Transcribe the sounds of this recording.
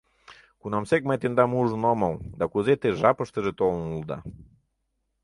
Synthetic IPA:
kunamsek̚majt̪end̪amuʒnɔmawd̪akuzet̪eʒapəʃt̪əʒet̪olnulˠd̪a̰

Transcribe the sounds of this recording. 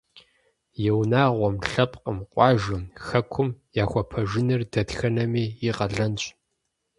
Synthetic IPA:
jɛwnaːʁʷɔmɬɐpʼqʼəmqʷʼɑːʒɪmxɐkʷʰʊmjaːxʷɔpʰɐʒɪnɨrdɐdxɐnɐmiːiqɐɮɐnt͡ɕʼ

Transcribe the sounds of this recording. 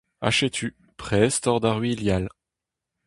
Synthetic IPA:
a̰ʃet̪ʰy | pχɛst̪ɔʁd̪aʁɥiljal

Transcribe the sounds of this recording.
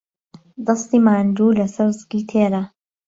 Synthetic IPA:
d̪ɑst̪iːmaːnd̪uːlɐsɐɾzɡiːt̪ʰeːɾa

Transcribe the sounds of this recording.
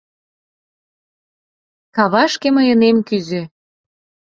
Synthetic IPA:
kɑβɑʃkeməjənemkyzĕ

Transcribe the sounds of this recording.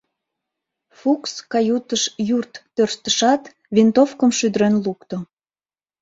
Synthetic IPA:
fukskɑjut̪əʃjurt̪ːørst̪əʃɑt̪ | vent̪ofkəmʃyd̪əɾønlukt̪o

